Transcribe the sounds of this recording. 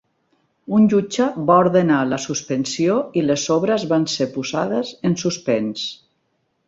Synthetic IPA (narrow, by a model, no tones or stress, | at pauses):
unʲʒud͡ʒəβaoɾðenaləsuspensioilezɔβɾəzβansepuzaðəzensuspens